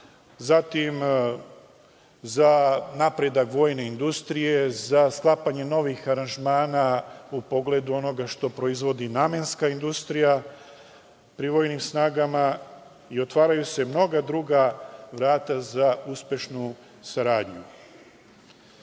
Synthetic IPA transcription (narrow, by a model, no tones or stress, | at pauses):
zat̪im | zanapɾed̪akʋo̞ːjne̞ind̪ust̪ɾije̞zasklˠapaɲe̞no̞ʋixaɾanʒmaːnaupo̞ɡle̞d̪uo̞no̞ɡaʃt̪o̞pɾo̞izʋo̞d̪inamenskaind̪ust̪ɾija | pɾiʋo̞ːjnimsnaːɡama | io̞t̪ʋaːɾajuse̞mno̞ɡad̪ɾuɡaʋɾaːt̪azauspʲje̞ʃnu | saɾaːd̪ɲu